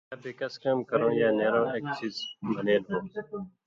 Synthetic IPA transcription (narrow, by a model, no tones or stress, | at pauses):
aːbeːkəskaːmkəɾõːjaːneːɾõːeːk̚t͡ʃiːzbʱəneːnɦõː